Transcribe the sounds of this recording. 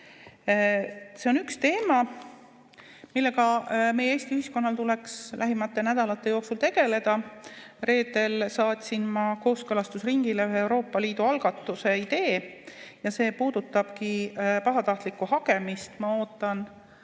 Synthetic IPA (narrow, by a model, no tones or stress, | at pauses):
se̞onykst̪e̞ːmɑ | milːe̞ɡɑme̞jeeːsʲt̪iyhisko̞nːɑlt̪ule̞kslæɦimɑt̪ːˑe̞næd̪̥ɑlɑt̪ːˑejo̞ːksult̪e̞ɡ̥e̞le̞d̪̥ɑre̞ːd̪̥e̞lsɑːt̪ʲsinmɑko̞ːskɤlɑst̪usriŋɡ̥ileyɦeewɾo̞ːpːɑliːd̪̥uɑlɡ̥ɑt̪ːˑuse̞id̪̥e̞ːjɑse̞ːpuːd̪ut̪ːˑɑb̥kipɑɦɑt̪ɑht̪likːˑuhɑke̞mist̪mɑo̞ːt̪ːˑɑn